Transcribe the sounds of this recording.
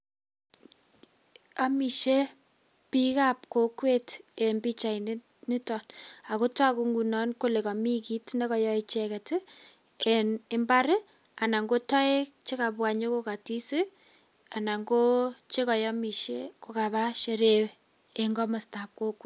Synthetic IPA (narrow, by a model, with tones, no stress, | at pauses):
a˦mi˨ʃe˦ | pi˦ka˦p̚ko˨kwe˦te˨mbi˦t͡ʃa˨i˨ne˦ | ni˦tɔ˨na˨ko˦ta˦ku˦ŋɡu˨nɔ˦nko˦le˨ka˨mi˦ki˦tne˦kɔ˨jɔ˦i˦t͡ʃɛ˨kɛ˨tɪ˦ | e˨nɪ˦mba˦ɾɪ˦ | a˨na˨ŋɡo˦tɔ˦e˦kt͡ʃe˦ka˨pwa˨ɲo˦ko˦ka˨ti˦si˦ | a˨na˨ŋɡo˦t͡ʃe˦kɔ˨jɔ˦mi˨ʃe˦ko˨ka˨ba˦ʃe˨ɾew | e˨ŋɡɔ˦ma˨sta˨p̚ko˦ke˦